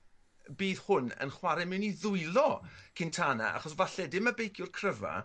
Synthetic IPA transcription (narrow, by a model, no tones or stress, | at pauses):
biːð̥hʊnə̰nχwaɾɛmɪwniðʊɨlɔkʰɪntʰaːna̰ʔa̰χɔsvaɬɛdɪməbejkʰjʊrkʰrəva̰